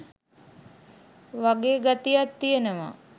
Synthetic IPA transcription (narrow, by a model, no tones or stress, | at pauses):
ʋaɡeːɡat̪ijat̪ːijenəʋa̰